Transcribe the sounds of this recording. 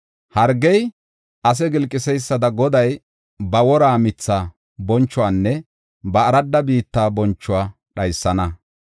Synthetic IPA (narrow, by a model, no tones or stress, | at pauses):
hɐɾɡɛj | ʔɐs̬ɛɡɪlkʼːɪsɛjsːɐd̪ɐɡɔd̪ɐj | bɐwɔɾaːmɪt͡sːaː | bɔnt͡ʃːʊwaːnːɛ | bɐːɾɐd̪ːɐbiːt̪ːaːbɔnt͡ʃːʊwaː | ɗɐjsːɐnɐ